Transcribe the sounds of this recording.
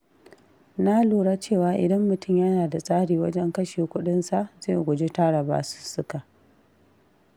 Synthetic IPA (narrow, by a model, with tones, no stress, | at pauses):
na˦luː˨ɽaː˦t͡ʃeː˦˨waː˨ʔɪ̰˨dɐ˦mːʊ˨tʊ˦˨mjɐ˦naː˨da˨sʼaː˦ɽiː˨wɐ˦d͡ʒɛ˦ŋkɐ˦ʃeː˨kʷʊ˦ɗɪ˦nsa˨ʔzeː˦˨ɡʷʊ˨d͡ʒe˦ta˦ɽɐ˨ba̰ː˨su̥˦sʊ˦ka˨